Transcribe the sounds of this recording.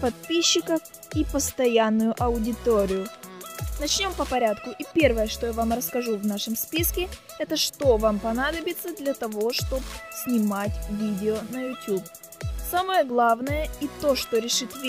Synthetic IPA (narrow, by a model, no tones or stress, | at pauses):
pɐt̪̚pʲiɕːɪkəf | ipəst̪ɐjanːʊjʊʔɐʊdʲɪt̪oɾʲɪjʊ | nɐt͡ɕnʲo̞mpəpɐɾʲat̪kʊʔipʲe̞rvəjəʂt̪o̞javamrəskɐʐuvnaʂəmspʲiskʲɪ | ɛt̪əʂt̪ovampɐnad̪əbʲɪt̪səd̪lʲɐt̪ɐvo̞ʂt̪o̞psʲnʲɪmatʲvʲidʲɪonəjʊtʲjup | saməjəɡlˠavnəjəit̪o̞ʂt̪oɾʲɪʂɨt̪vʲ